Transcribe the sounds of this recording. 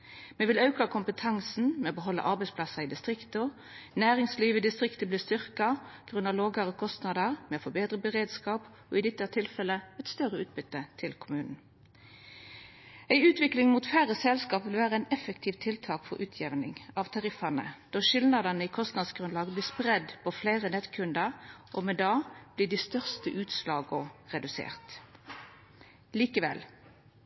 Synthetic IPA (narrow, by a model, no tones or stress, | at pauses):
meːʋɪlɑʉkɑkʰʊmpət̪ʰɑŋsn̩mɛoːbəɦɔlːə̰ʔɑʁbɛɪspʰlɑsɑid̪ɪst̪ʁɪkt̪ə | næːɾɪŋsliːʋəd̪ɪst̪ʁɪkt̪əbliːst̪ʏʁkɑɡ̥ʁʉnɑʋloːɡɑʁɔkʰɔst̪nɑd̪əʁmɛːofɔbeːd̪ʁəbəʁeːd̪skɑːp | o̰ːɪd̪ɪt̪ːət̪ʰɪlfɛlːəɛt̪st̪œʁəʉːt̪̚bʏt̪ːət̪ʰɪlkʰʊmʉːnn̩ | æɪʉːt̪ʋɪklɪŋmuːt̪fæːʁəsɛlskɑːpʋɪlʋæːʁəæɪnɛfəkt̪ʰiːʋt̪ʰɪlt̪ʰɑːkfɔ̰ʁʔʉːt̪ʰjɛʋnɪ̰ŋɑʋt̪ʰɑʁɪfɑnə̰d̪̥oʃɪlnɑd̪ɑnəiːkʰɔst̪nɑd̪sɡʁʉnlɑːɡbliːspʁɛd̪pʰɔfleːʁənɛt̪kʰʉnd̪əʁʔoːmɛd̪ɑːb̥liːd̪iːst̪œʁst̪əʔʉːt̪slɑːɡɔʁɛd̪ʉsḛːʁt̪ | liːkəʋɛ̰l